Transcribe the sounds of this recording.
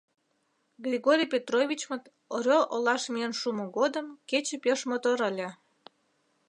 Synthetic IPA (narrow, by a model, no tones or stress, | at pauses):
ɡrʲiɣoɾʲijpʲet̪rovʲit͡ɕmət̪ | oɾʲoʔolɑʃmienʃumoɣod̪əmket͡ɕĕpʲeʃmot̪oɾəlʲe